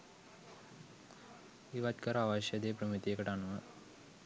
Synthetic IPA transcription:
eːʋat̪kəɾəaʋaɕjəd̪eːpɾəmit̪ijekəʈanuʋə

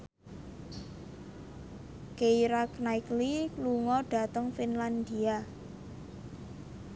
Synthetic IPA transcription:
kejɾaknajklikluŋɔɖ̥a̤t̪əŋfinland̪ia

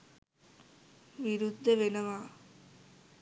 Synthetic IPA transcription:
ʋiɾud̪ʱːəʋenəʋaː

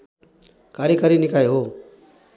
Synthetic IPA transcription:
kaːɾikaɾinɪkaːeɦoː

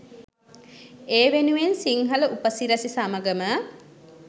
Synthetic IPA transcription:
eːʋenuʋensiŋɦɐləʔupəsiɾɐsisɐmɐɡəmə

